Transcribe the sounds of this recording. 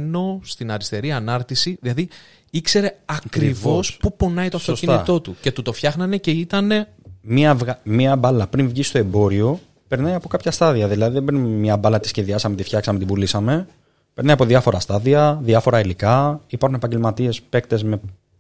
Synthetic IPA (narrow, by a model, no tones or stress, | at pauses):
no̞st̪inɐɾist̪e̞ɾiɐnɐɾt̪isiðilɐði | ikse̞ɾe̞ɐkɾivo̞spupo̞nɐjt̪o̞ɐft̪oscinnit̪o̞t̪uce̞t̪ut̪o̞fçɐxnɐne̞ce̞it̪ɐne̞ | miɐvɣmiɐbɐlɐpɾiɱvʝist̪o̞e̞bo̞ɾio̞ | pe̞ɾnɐjɐpo̞kɐpçɐst̪ɐðiɐðilɐðiðebɾinmɲɐbɐlɐt̪i̥sçeðiɐsɐmet̪ifçɐksɐmet̪ibulisɐme̞ | peɾnɐjɐpo̞ðiɐfo̞ɾɐst̪ɐðiɐðiɐfo̞ɾɐilikɐipɐɾxunepɐɲɟe̞lmɐt̪ie̞spe̞kt̪e̞zme̞